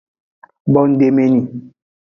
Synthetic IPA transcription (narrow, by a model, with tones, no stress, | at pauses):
bɔ˦n̩˦de˦me˦ni˨